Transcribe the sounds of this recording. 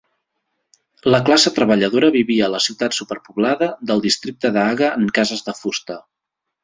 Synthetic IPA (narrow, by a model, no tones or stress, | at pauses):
ləklasət̪ɾəβəʎəðoɾəβiβiəːləsiwt̪at̪supəɾpuβlaðəd̪əlˠd̪ist̪ɾik̚t̪əðaɣəəŋkazəzðəfust̪ə